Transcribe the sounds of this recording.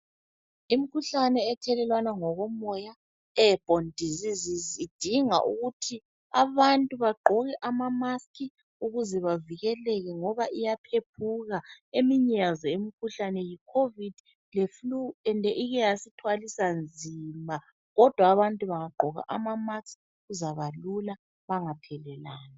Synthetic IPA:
im̩kʰuɬanɛːtʰɛlɛlwanaŋɔɣɔmɔja | ɛb̥ʱondʱizizizid̥ʱiŋa̰ʔṵɣutʰi | aβantʼuβaɡ͡ǃʱɔɣɛʔamamaskʰi | uɣuzɛβaviɣɛlɛɣɛŋɔβaʔijapʰepʰuɣaemiɲazɔemikʰuɬanɛjikʰovid̥ʱ | lefluɛndʱɛʔiɣɛjasitʰwalisand͡zʱima | ɣɔd̥ʱwaːβantʼuβaŋaɡ͡ǃʱɔɣa̰ʔamamas | ɣuzaβalula | βaŋapʰɛlɛlaːna

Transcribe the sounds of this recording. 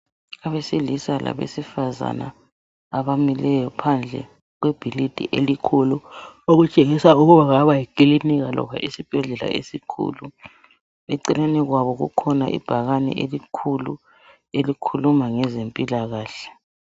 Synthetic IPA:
aβesilisalʔa̰βḛsifaza̰na̰ː | βamilɛjɔpʰand͡ɮʱɛ̰ | ɣweb̥ʱilid̥ʱḭʔelikʰuluoɣut͡ʃʼeɣisauɣuβaɣaβajikʼiliniɣalɔ̰βa̰ʔisib̥ʱɛɮɛla̰ḛsikʰṵːlu | βɛǀileniɣwaβɔɣṵkʰɔnaʔḭb̥ʱaɣanɛ̰ʔelikʰulu | elikʰulumaŋɛzempʼilaɣaːɬɛ̥

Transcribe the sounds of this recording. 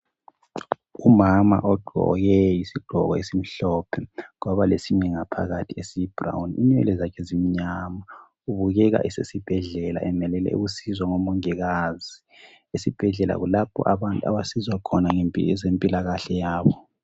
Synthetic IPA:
umama̰ʔɔɡ͡ǃ̥ʱɔ̰ɣɛjisiɡ͡ǃ̥ʱɔ̰ɣɔ̰esim̩ɬɔpʰɛɣɔβalesiɲɛŋapʰa̰ɣatʰiesib̥ra̰wnḭnɛ̰lɛzakʰɛzimiɲama | uβuɣɛɣa̰ʔisesib̥ʱɛɮɛla̰ʔɛmɛlɛlɛ̰ṵɣusizwaŋɔmɔŋiɣaːzi | esib̥ʱɛɮɛla̰ɣulapʰɔ̰ʔaβantʼua̰βasizwakʰɔnaŋempʼizempʼilaɣaɬɛjaːβɔ

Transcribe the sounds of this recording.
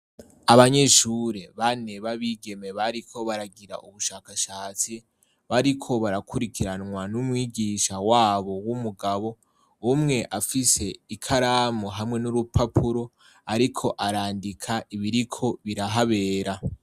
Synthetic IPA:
aβaɲe̞ʃuɾe̞βane̞βaβiːɡe̞meβaɾikʰo̞βaɾaɡiɾa̰ʔuβuʃaːkaʃaːt͡si | βaɾikʰo̞βaɾakʰuɾikiɾanŋwanumŋiːɡiːʃawaːβo̞wumuɡaβo̞ | umŋe̞ʔafise̞ikʰaɾamoɦamŋe̞nuɾupapʰuɾo̞ | aɾikʰo̞ʔaɾaːndikʰaʔiβiɾikʰo̞βiɾaɦaβe̞ːɾa

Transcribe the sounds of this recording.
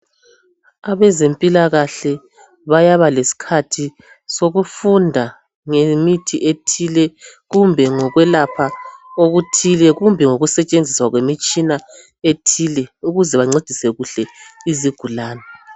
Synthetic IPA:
aβɛzempʼilaɣaɬɛ | βajaβalesi̥kʰatʰi | soɣufundʱa | ŋemitʰiʔetʰilɛɣumbʱɛŋɔɣwɛlapʰaoɣutʰilɛɣumbʱɛŋoɣusɛt͡ʃʼend͡zʱiswaɣwemit͡ʃʼina | etʰilɛuɣuzɛβaŋ͡ǀed̥ʱisɛɣuɬɛiziɡ̥ʱulaːnɛ

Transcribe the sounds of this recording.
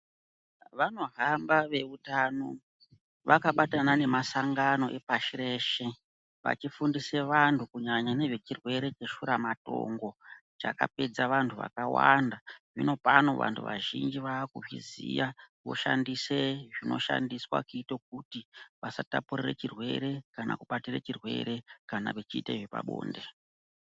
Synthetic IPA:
ʋano̞ɦambaʋe̞utaːno̞ | ʋakaɓatanane̞masaŋɡano̞ʔe̞paʃireʃe̞ | ʋa̰t͡ʃifundise̞ʋantʰukuɲaɲane̞ʐe̞t͡ʃirwe̞ɾe̞t͡ʃe̞ʃuɾamato̞̰ŋɡo̞ | t͡ʃa̰ka̰pe̞d͡zaʋantʰuʋa̰kawa̰ndaʐino̞pano̞ʋa̰ntʰuʋaʒind͡ʒiʋaːkuʐizijaʋo̞̰ʃandiseʐino̞̰ʃa̰ndiswa̰kuiitok̚utiʋasatapureret͡ʃirwe̞ɾe̞kanakuɓatiret͡ʃirwe̞̰ɾe̞kanaʋet͡ʃiːtaiʐipa̰ɓo̰ːnde̞

